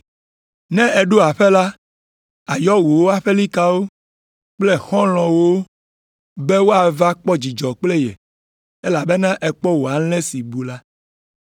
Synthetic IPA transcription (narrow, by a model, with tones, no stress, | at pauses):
nɛ̃˦ɛ˨ɖu˦a˨ɸe˦la˦ | a˨jɔ˦wu˨wo˦a˦ɸe˦li˦ka˦wo˦ | k͡ple˦xɔ̃˦lɔ̃˨wo˦ | be˦wo˦a˨va˦k͡pɔ˦d͡ʑi˨d͡ʒɔ˨k͡ple˦jɛ̰˨ | ɛ˦la˨be˦nã˦ʔɛ˨k͡pɔ˦wo˨a˨˦lɛ̃˦si˨bu˨la˦